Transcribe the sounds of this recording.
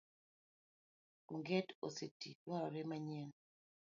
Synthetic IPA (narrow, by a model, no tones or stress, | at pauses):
uŋɡɛto̰setidwaɾɔɾɛmaɲɛn